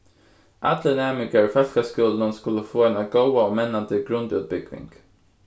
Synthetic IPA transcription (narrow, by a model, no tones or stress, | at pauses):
ʔad̪lənɛmɪɡəɹfœʂkaskɵld̪ənskɵlːəfoːɛnaɡowaɔmɛnːant̪ʰɪɡɾɵnd̪ʉːt̪̚bʏɡvɪ̰ŋɡ̥